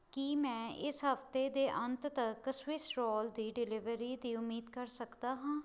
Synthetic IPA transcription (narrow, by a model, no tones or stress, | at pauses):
kimɛ̃ːʔɪsɦəft̪eːd̪eːʔənt̪t̪əkəswɪsɾɔːld̪iːɖɪlɪʋəɾiːd̪iːʊmːiːd̪kəɾsəkd̪aːɦãː